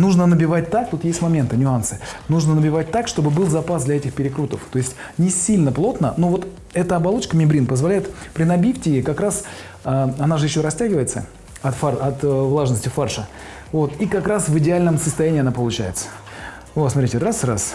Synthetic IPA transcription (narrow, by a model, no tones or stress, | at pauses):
nuʐnənəbʲɪvat̚ʲt̪ak̚t̪ut̪jesʲtʲmɐmʲe̞nt̪ɨnʲʊansɨnuʐnənəbʲɪvat̚ʲt̪akʂt̪o̞bɨbɨlˠzɐpasd̪lʲɐɛtʲɪxpʲɪɾʲɪkɾut̪əft̪o̞ɪsʲtʲnʲɪsʲilʲnəplˠo̞t̪nəno̞vo̞t̪ | ɛt̪əɐbɐlˠo̞t͡ɕkəmʲɪbɾʲinpəzvɐlʲæjɪt̪pɾʲɪnɐbʲifʲtʲɪɪkɐkɾas | aɐnaʐɨjɪɕːo̞ɾɐsʲtʲæɡʲɪvəjɪt̪sə̰ | ɐt̪faɐt̪vlˠaʐnəsʲtʲɪfarʂə | vo̞t̪ikɐkɾasvɨdʲɪalʲnəmsəst̪ɐjænʲiːɐnapəlˠʊt͡ɕæ̰jɪt̪sə̥ | osmɐt̪ɾʲitʲɪrasras